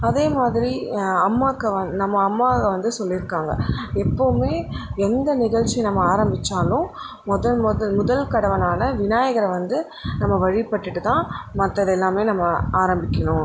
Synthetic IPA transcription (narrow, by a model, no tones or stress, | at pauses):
ɐðeːmaːðɪɾiɐmːaːkːɐnɐmːɐːmːaːɣɐʋɐnd̪ɯsɔlːɪɾɯkːaːŋɡɐ̰ɛpːoʋɯmeːɛnd̪ɐnɪɣɐɻt͡ʃːɪjɐnɐmːɐaːɾɐmbɪt͡ʃːaːlʊ̃ | mɔðɐmðɐmʊðɐlkɐɽɐʋɐnaːnɐʋɪnaːjɐɣɐɾɐʋɐnd̪ɯ | nɐmːɐʋɐɻɪpɐʈːɯʈːɯt̪ãːmɐt̪ːɐðɛlːaːmeːnɐmːɐaːɾɐmbɪkʲːɐɳʊ̃